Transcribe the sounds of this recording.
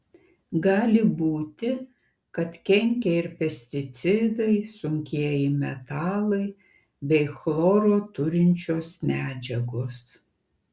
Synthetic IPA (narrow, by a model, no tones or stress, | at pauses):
ɡɑːlʲɪbuːt̪ʲɪ | kɐt̪kʲɛŋʲkʲɛɪɾpʲɛsʲt̪ʲɪt̪sʲɪd̪ɐɪsʊŋʲkʲiɛjɪmʲɛt̪ɑːlˠɐɪ | bʲɛɪxlˠoːɾoːt̪ʊɾʲɪnʲt͡ʃʲoːsmʲæːd͡ʒʲɛɡoːs